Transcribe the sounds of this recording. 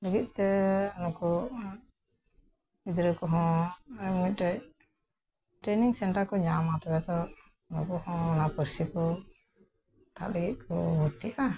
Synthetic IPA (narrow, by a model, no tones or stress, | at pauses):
ləɡit̪̚ˀt̪ɛɔnɔkɔ | id̪ɾəkɔɦɔ̃ | mit̪̚ˀɾɛc | ʈɾeniŋsɛɳʈaɾkɔɲamat̪ɔbɛt̪ɔ | nɔ̰kɔhɔ̃ːnapəɾsikɔ | ʈʰa̰ʔləɡit̪̚kʰɔbuɾt̪ijʔa